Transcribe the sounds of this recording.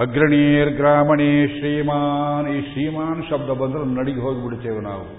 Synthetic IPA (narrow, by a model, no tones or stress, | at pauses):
ɐɡɾɐɳiːɾɡɾaːmɐɳiʃɾiːmaːniːʃɾiːmaːnʃɐb̚d̪ɐbɐnd̪ɐɾɐnnɐɽiɡiɦoːɡibiɽut͡ʃeːʋɐna̰ːʋu